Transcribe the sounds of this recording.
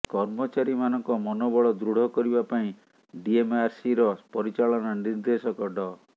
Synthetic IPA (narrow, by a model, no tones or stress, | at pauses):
kɔɾmɔt͡ʃaɾimanɔŋkɔmɔnɔbɔɭɔd̪ɾuɽ̤ʱɔkɔɾibapaĩ | ɖiemaɾsiɾɔpɔɾit͡ʃaɭɔnɔniɾd̪esɔkɔɖɔ